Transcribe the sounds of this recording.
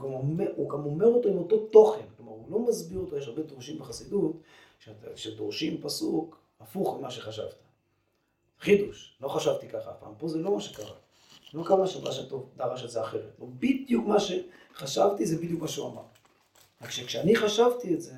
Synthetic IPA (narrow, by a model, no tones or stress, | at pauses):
ɡamomeuɡamo̞me̞ʁo̞t̪oimo̞to̞t̪o̞χe̞nklo̞maʁulo̞mazbiʁot̪ojeʃ̬aʁbe̞d̪oʁʃimbeχasid̪ut | ʃtʃed̪oʁʃimpasuk | afuχmimaʃeχaʃa̰vt̪ḁ | χid̪uʃlo̞χaʃavt̪ikaχaa̰fpa̰ːmpo̞zelo̞maʃekaʁa̰ | lo̞kamaʃadaʃamto̞vd̪aʁaʃelzeaχe̞ʁet̪lobid̪jukmaʃe̞ | χaʃavt̪izebid̪jukmaʃeuama̰ʁ | ʁakʃekʃeaniχaʃavt̪ietze̞